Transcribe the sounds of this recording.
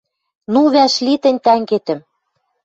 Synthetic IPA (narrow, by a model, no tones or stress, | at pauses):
nuβæʃlit̪ɘ̆nʲt̪æŋɡet̪ɘ̆m